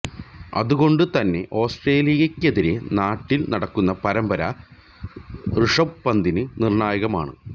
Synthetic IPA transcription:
ɐ̰ðuɣo̞ɳɖɨt̪ɐnːe̞ʔo̞ːsʈre̞ːlijɐkʲːe̞ðiɾe̞naːʈːilnɐɽɐkːunːɐpɐɾɐmbɐɾɐ | rɨʂɐpːɐnd̪inɨnirɳaːjɐɣɐmaːɳɨ̰

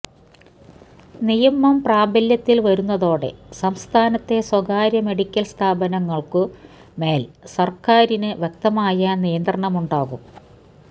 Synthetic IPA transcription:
nijɐmːɐmpraːbɐljɐt̪ːilʋɐɾunːɐðo̞ːɽe̞̰sɐmst̪ʰaːnɐt̪ːe̞swɐɣaːɾjɐme̞ɽikʲːɐlst̪ʰaːbɐnɐŋːɐɭkɨ | me̞ːlsɐrkaːɾinɨʋjek̚t̪ɐmaːjɐnijɐnd̪rɐɳɐmuɳɖaːɣum

